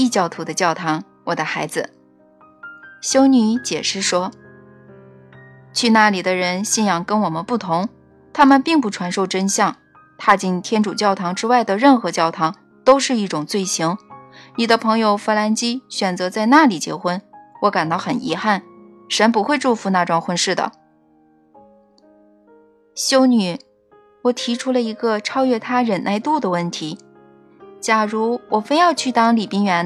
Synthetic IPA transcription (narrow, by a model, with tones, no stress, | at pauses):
i˥˩t͡ɕjɑ˥˩ʊt̪ʰu˧˥d̪ə˧t͡ɕjɑ˥˩ʊt̪ʰɑ˧˥ŋ | wɔ˨˩d̪ə˦xa˧˥ɪd͡zɹ̩˧ | ɕjo˥ʊny˧˥t͡ɕjɛ˨˩ʂɻ̩˥˩ʂwɔ˥ | t͡ɕʰy˥˧na˥˩li˨˩d̪ə˦ɻə˧˥nɕi˥˩njɑ˨˩ŋkə˥nwɔ˨˩mə˦npu˥˩t̪ʰʊ˧˥ŋ | t̪ʰa˥mə˨npi˥˧ŋp̬u˥˩ʈ͡ʂʰwa˧˥nʂo˥˧ʊʈ͡ʂə˥nɕjɑ˥˩ŋ | t̪ʰa˥˧t͡ɕi˥˩nt̪ʰjɛ˥nʈ͡ʂu˨˩t͡ɕjɑ˥˩ʊt̪ʰɑ˧˥ŋʈ͡ʂɻ̩˥wa˥˩ɪd̪ə˩ɻə˥˩nxɤ˧˥t͡ɕjɑ˥˩ʊt̪ʰɑ˧˥ŋ | t̪o˥ʊʂɻ̩˥˧i˥˩ʈ͡ʂʊ˨˩ŋt͡swe˥˩ɪɕi˧˥ŋni˨˩d̪ə˦pʰɤ˧˥ŋjo˧ʊfə˥la˧˥nt͡ɕi˥ɕɥɛ˨˩nt͡sɤ˧˥t͡sa˥˧ɪna˥˩li˨˩t͡ɕjɛ̰˧˥xwə˥nwɔ˧˥ka˨˩nt̪ɑ˥˩ʊxə˨˩nḭ˧˥xa˥˩n | ʂə˧˥npu˧˥xwe˥˧ɪʈ͡ʂu˥˩fu˧˥na˥˧ʈ͡ʂwɑ˥˧ŋxwə˥˧nʂɻ̩˥˩d̪ə̰˩ | ɕjo˥ʊny˨˩˦ | wɔ˨˩t̪ʰi˧˥ʈ͡ʂʰu˥lə˧i˧˥ɡə˧ʈ͡ʂʰɑ˥ʊɥɛ˥˩t̪ʰa˥ɻə˨˩nna˥˧ɪt̪u˥˩d̪ə˩wə˥˩nt̪ʰi˧˥ | t͡ɕja˨˩ɻu˧˥wʔɔ˨˩fe˥ɪjɑ˥˧ʊt͡ɕʰy˥˩t̪ɑ˥ŋli˨˩pi˥ŋɥɛ˧˥n